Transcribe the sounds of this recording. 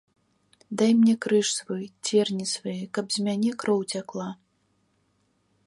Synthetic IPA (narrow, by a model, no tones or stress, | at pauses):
d̪ajmnʲɛkɾɨʂsvɔjt͡sʲɛrnʲisvajɛkɐbzʲmʲanʲɛkɾɔwt͡sʲaklˠa